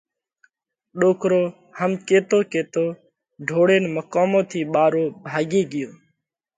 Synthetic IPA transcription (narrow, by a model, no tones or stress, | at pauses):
ɗoːkɾoː | həmkeːt̪oːkeːt̪oː | ɖʱoːɽeːnməkaːmõːt̪ʰiːɓaːɾoːbʱaːɡiːɡɪjoː